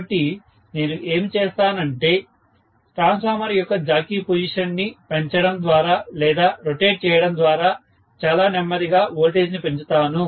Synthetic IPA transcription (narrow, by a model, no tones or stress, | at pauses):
ɐʈːi | ne̞ːnuʔe̞ːmit͡ʃɛːst̪aːnɐɳʈe̞ː | ʈɾaːnsaːmɐɾijɔkːɐd͡ʒaːkiːpod͡ʒiʂɐnːipeɲt͡ʃɐɽɐmd̪ʋaːɾaːlɛːd̪aːɾoʈeːɖ̚t͡ʃɛːjɐɽɐnd̪ʋaːɾaː | t͡ʃaːlaːnɛmːɐd̪iɡaːoːlʈeːd͡ʒnipe̞ɲt͡ʃut̪aːnu